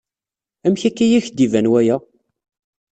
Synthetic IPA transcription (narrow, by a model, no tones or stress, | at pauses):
æmçækːæjæçd̪ivænwæjæ